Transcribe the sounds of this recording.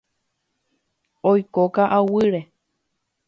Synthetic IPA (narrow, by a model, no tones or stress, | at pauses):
ojkokaʔawɨɾe